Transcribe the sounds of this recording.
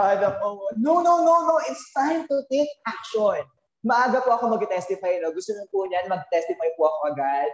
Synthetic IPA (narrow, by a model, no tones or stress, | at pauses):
ad̪ɐpononononoʔɪt̪st̪ãjmt̪ʊt̪ejk̚ak̚ʃon | mɐʔaːɡɐpʊɐko̞mɐɡɪt̪ɛst̪ɪfajnoɡʊst̪onɪnpʊɲɐnmɐɡ̚ɪt̪ɛst̪ɪfajpʊɐko̞ʔɐɡad̪̥̚